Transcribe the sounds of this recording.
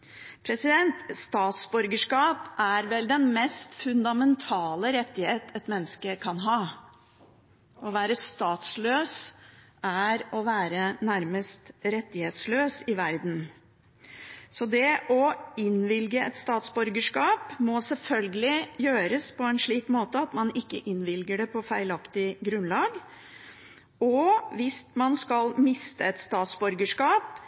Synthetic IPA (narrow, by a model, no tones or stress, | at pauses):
pʰɾɛsɪd̪ɛnt̪st̪ɑːt̪sbʉɾɡəʂkɑːpʔæɾʋɛld̪ɛnmɛst̪fʉnd̪ɑmɛnt̪ʰɑːləɾɛt̪ːɪheːt̪ɛt̪mɛnːəskəkʰɑnɦɑː | ɔʋæːɾəst̪ɑːt̪sløːs | æɾɔʋæːɾənæɾməst̪ɾɛt̪ːɪheːt̪sløːsɪʋæɾd̪n̩ | sɔd̪ɛʔɔɪnʋɪlɡəɛt̪st̪ɑːt̪sbʉɾɡəʂkɑːpmɔsɛlfœlɡəlɪjøːɾəspʰɔɛnʂɭiːkmoːt̪əɑt̪mɑnɪkːə̰ʔɪnʋɪlɡəɖɛpʰɔfæɪlɑkt̪ɪɡɾʉnlɑːɡ | ɔʋɪsmɑnskɑlmɪst̪əɛt̪st̪ɑːt̪sbʉɾɡəʂkɑːp